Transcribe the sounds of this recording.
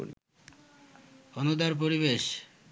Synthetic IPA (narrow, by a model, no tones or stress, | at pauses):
ɾi | onod̪aɾp̬oɾiβeʃ